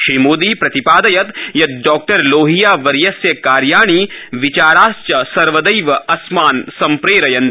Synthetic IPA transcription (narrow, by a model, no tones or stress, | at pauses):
ʃiːmoːd̪iːpɾɐt̪ipaːd̪ɐjɐt̪jɐt̪ɖɔːk̚ʈɐɾloːɦijaːʋɐɾjɐsjɐkaːɾjaːɳ̃iːʋit͡ʃaːɾaːst͡ʃɐsɐɾʋɐd̪ɐjʋɐɐsmaːnsɐmpɾeːɾɐjɐnt̪